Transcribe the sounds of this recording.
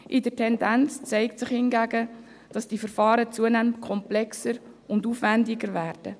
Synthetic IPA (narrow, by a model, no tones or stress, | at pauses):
ʔɪdəɾtʰɛndænt͡st͡sɛɪktsɪχhɪnɡæɡə | d̥ɑsd̥ifəɾfɑːɾət͡suənæməntkʰɔmplɛksəɾ | ʊndufvændɪɡəɾvæːrd̥ə